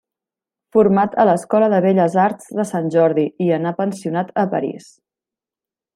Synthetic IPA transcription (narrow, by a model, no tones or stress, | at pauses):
fuɾmat̪ələskɔləðəβeʎəzaɾdzðəsanʲʒɔɾðiiənapənsiunat̪əpəɾḭs